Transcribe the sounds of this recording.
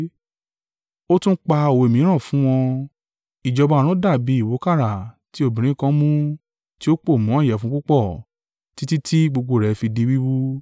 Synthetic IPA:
o˦tũ˦k͡pa˧o˨wo˨e˨mĩ˨˦ɾ̃ã˦˨fũ˦w̃ɔ̃˧ | i˨d͡ʒɔ˧ba˧˦˧ɾ̃ũ˨˦da˦˨bi˨˦i˦˨wo˨˦ka˦˨ɾa˨ | ti˦o˦˨bĩ˨ɾ̃ĩ˦kã˦mũ˦ | ti˦o˦k͡po˦˨mũ˨˦ɔ̃˦˨jɛ˨fũ˦k͡pu˦k͡pɔ˦˨ | ti˨˦ti˦tʰi˦ɡ͡bo˧ɡ͡bo˧˨ɾɛ˨fi˧di˧˦wi˦wu˦

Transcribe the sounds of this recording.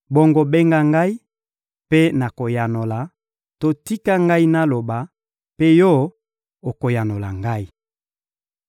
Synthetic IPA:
bɔ˦ŋɡo˦be˦ŋɡa˦ŋɡa˦i˦ | pe˦na˨ko˨ja˨no˨la˨ | to˦ti˦ka˦ŋɡa˦i˦na˦lo˨ba˨ | pe˦jɔ˦ | o˨ko˨ja˨no˨la̰˨ŋɡa˦i˨

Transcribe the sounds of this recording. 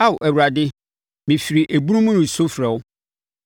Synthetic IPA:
a˦˨wʊ˨ʔæ˨wu˨ɾa˨dɪ˦ | mĩ˨fi˨ɾi˨ʔæ˨bu˦ɾũ˦mũ˦nʊ̃˨so˦fɾɛ˨wʊ˦

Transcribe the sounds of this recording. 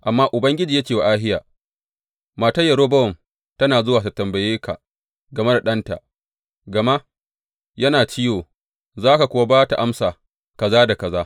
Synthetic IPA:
ʔa˨mːaː˦ʔʊ˨bɐ˦ŋɡʲɪ˦d͡ʒiː˨ja˦t͡ʃʲeː˨wa˦˨ʔaː˦ɦɪ˦jaː˨ | maː˨tɐ˦jːɐ˨ɾoː˦bɐ˦wɔ˨m | tɐ˦naː˨zʊ˦waː˨ta˨tɐ˨mbɐ˨jeː˦ka̰˨ | ɡɐ˨me˦da˨ɗɐ˦nta̰˨ʔ | ɡɐ˨ma˦ʔ | jɐ˦naː˨t͡ʃɪ˦joː˨ | zaː˦ka˨kʷʊ˨˦wa˦baː˦ta˨ʔa˦msaː˨ | kɐ˨zaː˦da˨kɐ˨zaː˦

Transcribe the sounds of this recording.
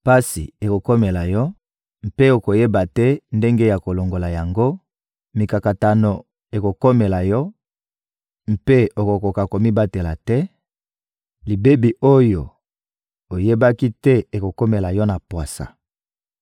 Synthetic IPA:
pa˦si˨e˨ko˨ko˦me˨la˨jɔ˦ | m̩˦pe˦o˨ko˨je˦ba˨tɛ˦nde˦ŋɡe˦ja˨ko˨lo˨ŋɡo˨la˨ja˨ŋɡo˦ | mi˨ka˨ka˨ta˨no˨ | e˨ko˨ko˦me˨la˨jɔ˦ | m̩˦pe˦o˨ko˨ko˨ka˨ko˨mi˦ba˦te˨la˨tɛ˦ | li˨be˦bi˨ʔo˦jo˨ | o˨je˦ba˦ki˦tɛ˦e˨ko˨ko˦me˨la˨jɔ˦na˨pwa˨sa̰˨

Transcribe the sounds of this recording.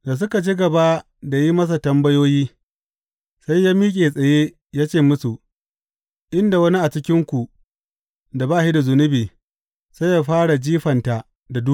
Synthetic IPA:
da˨s̬ʊ˦ka˨t͡ʃi˦ɡɐ˨ba˦ | da˨ji˦mɐ˦s̬a˨tɐ˦mbɐ˦joː˦jiː˦ | sa˦jːaː˦miː˦kʲʼeː˨sʼɐ˨jeː˦ | jaː˦t͡ʃeː˦˨mʊ˦su˨ | ʔɪ˦nda˨wɐ˦ni˦ʔa˨t͡ʃɪ˦kʲɪ˦ŋkʷu˨ | da˨baː˦˨ʃi˦da˨zʊ˨nʊ˦biː˨ | sa˦ja˦ɸaː˦ɽa˨d͡ʒiː˦ɸɐ˨nta˨ʔ | da˨du˦˨

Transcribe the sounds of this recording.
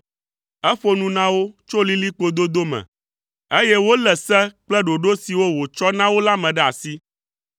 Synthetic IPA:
ɛ˦ɸo˦nũ˦nã˦wo˦t͡ʃo˦li˦li˦k͡po˦d̪o˦d̪o˦mɛ̰̃˨ | e˦jɛ˦wo˦lɛ˨sɛ˦k͡plɛ˦ɖo˨ɖo˦si˨wo˦wo˨t͡ʃɔ˦nã˦wo˦la˦mɛ̃˨ɖɛ˦a̰˨si˦

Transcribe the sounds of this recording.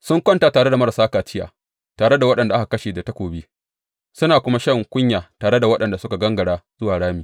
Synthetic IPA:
sʊ˦ŋkʷɐ˦nta˨taː˨ɽe˦da˨mɐ˦ɾa˨saː˦kaː˨t͡ʃɪ˦ja̰ː˨ | taː˨ɽe˦da˨wɐ˦ɗɐ˨nda˨ʔa˦ha˨kɐ˦ʃeː˨da˨tɐ˦kʷoː˨bi˦ | sʊ˦naː˨kʷʊ˦ma˦ʃɐ˦˨ŋkʷʊ˦ɲjaː˨taː˨ɽe˦da˨wɐ˦ɗɐ˨nda˨sʊ˦ka˨ɡɐ˦ŋɡɐ˨ɽaː˦z̥ʊ˦waː˨ɽaː˦miː˨

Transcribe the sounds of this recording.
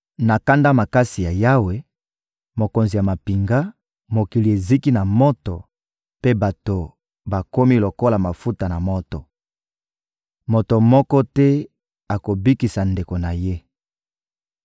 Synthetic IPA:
na˨ka˦nda˦ma˨ka˦si˨ja˨ja˦we˦ | mo˨ko˨nzi˨ja˨ma˨pi˨ŋɡa˦ | mo˨ki˨li˨e˨zi˦ki˦na˨mɔ˦tɔ˨ | pe˦ba˨to˨ | ba˨ko˦mi˦lo˨ko˦la˨ma˨fu˦ta˨na˨mɔ˦tɔ˨ | mo˨to˨mɔ˦kɔ˦tɛ˦ | a˨ko˨bi˦ki˨sa˨nde˨ko˨na˨je˦

